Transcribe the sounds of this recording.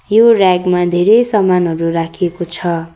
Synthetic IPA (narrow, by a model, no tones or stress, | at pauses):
joraɡmad̪ʱeɾejsʌmanɦʌɾuɾakʰiekot͡sʰʌ